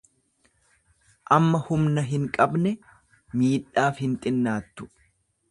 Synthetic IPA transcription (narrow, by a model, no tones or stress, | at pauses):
ʔɐmːɐhʊmnɐɦɪŋkʼɐbnɛ | miːᶑaːfhɪnt̪ʼɪnːaːt̪ːʊ̥